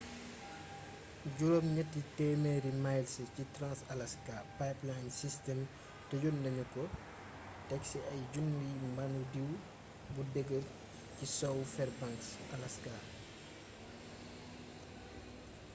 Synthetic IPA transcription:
ɟuɾɔmɲɐtːitɛmeɾimajlsəcitɾãnsɐlɐskapajplansistɛm | tɐjundɐɲukɔ | tɛksiʔɐjɟundimbanudiw | budɛɡəl | cisɔwfɛrbaŋks | ɐlɐska

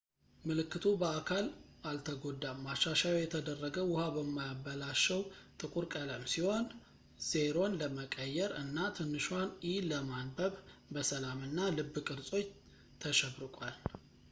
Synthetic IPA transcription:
mɨlɨkːɨt̪ʰubəakʰalalt̪ʰəɡo̞d̪ːamaʃːaʃajjɛt̪ʰəd̪ərːəɡəwwʊhabəmːajabːəlaʃːɛwt̪ʼɨkʼuɾkʼələmsiho̞n | z̥eɾo̞nləməkʼəjːɛɾɨnːat̪ʰɨnːɨʃwaniləmanbəβbəsəlamɨnːalɨbːɨkʼɨɾsʼo̞t͡ʃː | t̪ʰəʃɛβɾɨkʼal

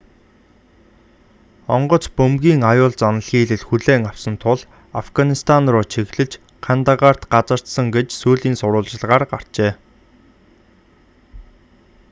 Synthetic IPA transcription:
ɔɴɢɞ̆t͡spɵmɡʲiːŋajʊːɮt͡sanə̆ɮxiːɮɘ̆ɮxuɮeːŋawsə̆nt̪ʰʊɮ | afɡanist̪ʰanrʊːt͡ɕʰiɣɮɘ̆t͡ɕ | kʰant̪aʁar̥t̪ɢat͡sə̆r̥t̪sə̆ŋɡet͡ɕsuːɮiːnsʊɾʊːɮt͡ɕɪ̆ɮʁaːrɢar̥t͡ɕeː

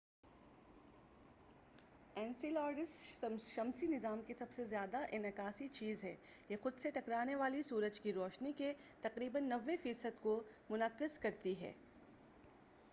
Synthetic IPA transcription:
ɛ̃ːnsilaːɾɖɪsʃɐmsinɪzaːmkesɐbsezjaːd̪aʔɪnɪkaːsit͡ʃiːzɦɛːjexʊd̪seʈɐkɾaːneʋaːlisuːɾəd͡ʒkiɾɔːʃniket̪ɐqɾiːbənːɐʋːefiːsəd̪komʊnəqːɪzkɐɾt̪iɦɛ̰ː

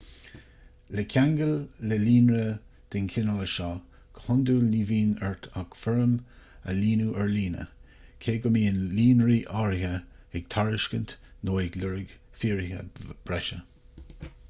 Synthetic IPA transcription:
ləkʲʰaŋɡəlːəliːnɾə | d̪̥ɪnkʰɪnələʃɑː | kʰəhʊnd̪ulniːviːnɛɹt̪ʰakfɛɹəm | ə̰liːnuʔɛɹliːnə̰ | kʰeːɡʊmiːɪnliːnɹiʔaɹɪhə | ɛɡ̚t̪ʰaɹɪʃkənt̪noːɪɡlʊɹɪɡ̥fiːɹɪhə̰b̥ɹɛʃə

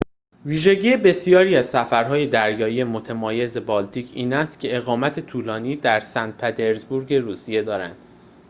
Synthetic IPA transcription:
viːʒe̞ɟiːjebe̞sijɒːɾiːæzsæfæɾɦɒːje̞d̪æɾjɒːije̞mot̪ʰemɒːje̞ze̞bɒːlt̪ʰiːcʰiːnæst̪cʲʰe̞eɣɒːmæt̪ʰe̞t̪ʰuːlɒːniːd̪æɾsændt̪̚pʰet̪ʰe̞ɾzbuɾɟe̞ɾuːsije̞d̪ɒːɾænd̪̥

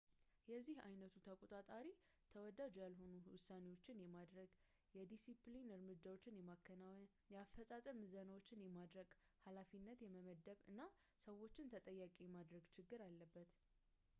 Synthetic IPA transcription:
jɛzːihajnət̪ʰut̪ʰəkʼot̪ʼat̪ʼaɾi | t̪ʰəwɔd̪ad͡ʒojalɦo̞nuwʊsːane̞wo̞t͡ʃːɪnjɛmad̪ɾəɡ | jɛd̪isiplinɨɾmɨd͡ʒːawo̞t͡ʃːɪnjɛmakʰːəna | jɛafːəsʼasʼəmɨzənəwo̞t͡ʃːɪnjɛmad̪ɾəɡhalafinːət̪jɛməməd̪əβɨ̰nːa | səwo̞t͡ʃːɪnt̪ʰət̪ʼəjːakʼijɛmad̪ɾəɡt͡ʃʰɪɡːɨɾalːəbːət̪

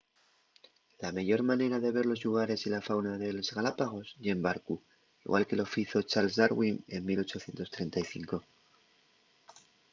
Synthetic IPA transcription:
lamaʝo̞ɾmane̞ɾaðe̞βe̞ɾlo̞zʎuɣ̞aɾe̞silafawnaðe̞lozɣalapaɣ̞o̞sʝembaɾku | iɣwa̰lke̞lo̞fiθo̞t͡ʃalsðaɾɣwine̞nmilo̞t͡ʃo̞θje̞nt̪o̞st̪ɾe̞nt̪aiθiŋko̞

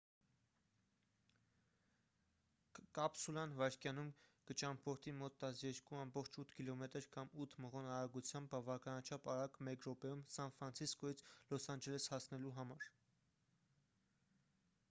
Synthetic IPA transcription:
kɑpsulɑnvɑɾkjɑnumkət͡ʃɑmpʰɔɾt̪ʰimɔt̪ːɑsjɛɾkuɑmbɔχt͡ʃʰut̪ʰkilɔmɛt̪əɾkɑmut̪ʰməʁɔnɑɾɑɾɡut͡sʰjɑmbːɑvɑkɑnɑt͡ʃʰɑpɑɾɑkmɛkɾɔpɛjumsɑnfɾɑnt͡sʰiskɔjit͡sʰlɔsɑnd͡ʒɛlɛshɑsʰnɛluɦɑmɑɾ

